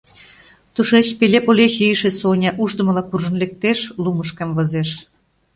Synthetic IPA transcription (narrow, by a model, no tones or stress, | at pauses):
t̪uʃet͡ɕpelʲepolʲexʲijəʃĕsonʲɑʔuʒd̪ɤ̆mɤlɑkurʒɤ̆nlʲek̚t̪eʃluməʃkɑmvɤ̆zeʃ